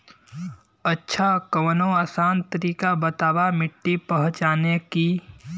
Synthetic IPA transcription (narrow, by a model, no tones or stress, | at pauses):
ətːʃʰakəʋnoaːsaːnt̪əɾiːkabət̪aːʋamɪʈːipəɦʊ̃t͡ʃaːneki